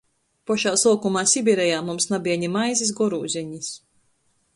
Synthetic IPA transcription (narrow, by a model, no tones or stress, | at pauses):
pɔʃaːsˠuːkumaːsʲibʲiɾɛjaːmumsnabʲiɛɲimajzis̬ɡɔɾuːzʲiɲis